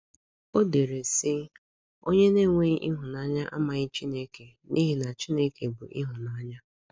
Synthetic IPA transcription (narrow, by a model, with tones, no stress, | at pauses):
o˦de˨ɾe˨sɪ˦ | o˦ɲe˦ne˦˨ŋʷe˦ʔi˦ɦʊ˨na˦ɲa˦ʔa˦ma˨ɣɪ˦t͡ʃi˦ne˦ke˨ | ni˦ɦi˦na˨t͡ʃi˦ne˦ke˨bʊ̰˨ʔḭ˦ɦʊ˨na˦ɲa˦